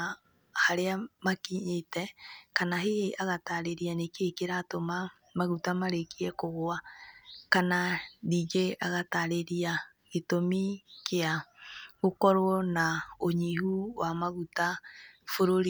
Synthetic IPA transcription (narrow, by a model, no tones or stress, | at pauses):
haɾeamakiɲetɛkanaɦeeʔaɣataɾeɾianekekeɾaːtoma | maɣutamaɾekiɛkoɣoakananiːɡeaɣataɾeɾia | ɣetomikeaɣokɔɾwɔnaoɲihuwamaɣutafoɾoɾi